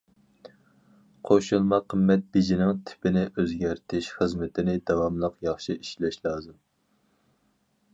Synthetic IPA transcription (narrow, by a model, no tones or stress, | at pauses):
qʰoʃulˠmɑqʰəmːɛt̪̚bid͡ʒinɪŋt̪ʰɪ̥pʰɪnɪʔøzɡʲæɾt̪ʰɪʃχəzmɪt̪ʰɪnɪd̪ɑwɑmlˠəqjɑχʃiiʃlɛʃlˠɑːzɨm